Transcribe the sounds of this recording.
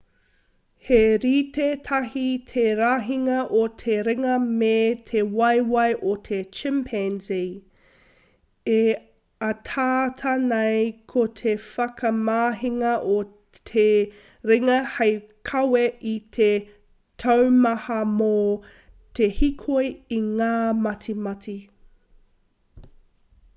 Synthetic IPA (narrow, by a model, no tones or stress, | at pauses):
heɾiːtetʰɐɦitʰeɾaːɦiŋɐʔotʰeɾeŋɐmetʰewɐjwɐjʔotʰet͡ʃɪmpʰɛnzi | e | ɐtʰaːtʰɐnɐjkʰotʰefɐkʰɐmaːɦiŋɐʔo | tʰe | ɾɪŋɐhejkʰɐweʔitʰe | tʰɐwmɐhɐmo | tʰehikʰojiŋaːmɐtʰimɐtʰi